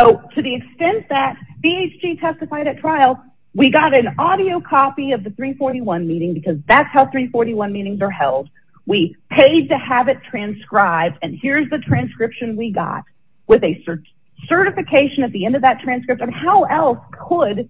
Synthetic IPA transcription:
soʊtʰɨðiɨkstɛ̃nðɨt̚b̥ieɪt͡ʃd͡ʒ̥itʰɛstɨfaɪɾɨtʰɹ̥aɪl̩ˠ | wiɡɑɾɨ̃nɔɾioʊkʰɑpiʌvðɨθɹifɔɹɾiwʌ̃nmiɾɪ̃ŋbɨkʰʌzðætshaʊθɹifɔɹɾiwʌ̃nmiɾɪ̃ŋzə˞hɛ̰lˠd̚ | wipʰeɪd̚tɨəvɨtʰɹ̥æ̃nskɹaɪb̚dɨ̃nhɪɹzðɨtʰɹ̥æ̃nskɹɪpʃɨ̃nwiɡɑ̰t̚ | wɨðɨsɜ˞ | sɜ˞ɾɨfɨkʰeɪʃɨ̃nɨt̪̚ðiɛ̃ndʌvðɨtʰɹ̥æ̃nskɹɪptɨ̃nhaʊʔɛlˠskʰəd

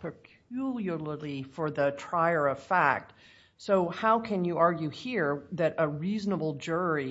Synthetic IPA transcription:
pʰəkʰjjulˠjə˞llifə˞ðɨtʰɹ̥aɪə˞ʌv̥fæ̰k̚t | soʊhaʊkʰɨ̃njɨʔɑɹɡjʉhiɹðɨɾʔəɹiznəbl̩ˠd͡ʒʊɹi

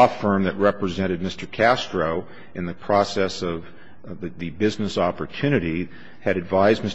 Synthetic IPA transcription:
fɜ̃˞mðɨt̚ɹɛpɹɨzɛ̃ɾ̃ɨd̚mɪstə˞kʰæstɹ̥oʊ | ɨ̃nðɨpʰɹ̥ɔsɛsʌv | ðɨbɪznɨsɑpə˞tʰʉñɨɾi | ɨɾɨdvaɪzmɪs

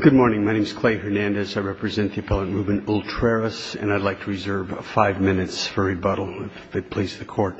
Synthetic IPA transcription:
ɡ̥ʊd̚mɔɹnɪ̃ŋmaɪñẽmz̥kʰl̥eɪhə˞næ̃ndɨsaɪɹɛpɹɨzɛ̃nðiɨpʰɛlˠə̃nɹubɨ̃nulˠtʰɹ̥ɛɹɨsɨ̰̃naɪdˡlaɪk̚tʰəɹɨzɜ˞v̥faɪvmɪ̃nɨtsfə˞ibʌɾl̩ˠɪfɨt̚pʰl̥izðɨkʰɔɹt̚

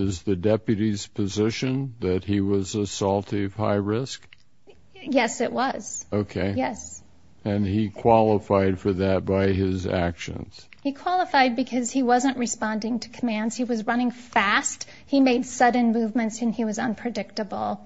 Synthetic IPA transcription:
ɪzðɨdɛpjɨɾiz̥pʰɨzɪʃɨ̃nðɨt̚hiwʌzəsɔlˠtʰiʌv̥ha̰ɪɹɪsk | jɛsɨʔwʌz̥oʊkʰeɪjɛs | ɨ̃nikʰw̥ɑlˠəfaɪd̥fə˞ðɨt̚b̥aɪɪzæ̰kʃɨ̰̃nz̥hikʰw̥ɑlˠəfaɪd̚bɨkʰʌz̥iwʌzə̃nʔɹɨspɑ̃ndɪ̃ŋtʰɨ̥kʰəmæ̃ndz̥hiwʌzɹʌñɪ̃ŋfæst | himeɪd̥sʌdⁿn̩muvmɨ̃ntsɨ̃niwʌzʌ̃npʰɹ̥ɨdɪk̚tɨbl̩ˠ

